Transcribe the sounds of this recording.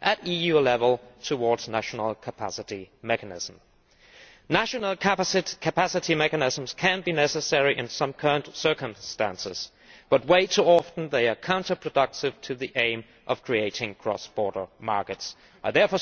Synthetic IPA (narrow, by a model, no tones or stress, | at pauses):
ʔɨɾijʉlɛvəl̩ˠtʰəwɔɹdz̥næʃn̩l̩ˠkʰəpʰæ̰sɨɾimɛkɨnɪ̰z̥̃m̩ | næʃɨnl̩ˠkʰkʰɨpæsɨɾimɛkɨnɪz̃m̩z̥kʰɨ̃nbinɛsɨsɛɹiʔɨ̃nsʌ̃mkʰɜ˞ə̃ntsɜ˞kə̃mstæ̰̃nsɨz̥ | b̥ʌt̚weɪtʰəɑfn̩ðeɪə˞kʰãʊ̃ntə˞pʰɹ̥ɨdʌk̚tɨv̥tʰɨðiʔẽɪ̃m | ʔʌv̥kʰɹ̥ieɪɾɪ̃ŋkʰɹ̥ɔ̰sb̥ɔɹɾə˞mɑɹkɨts | ʔəðɛɹfɔ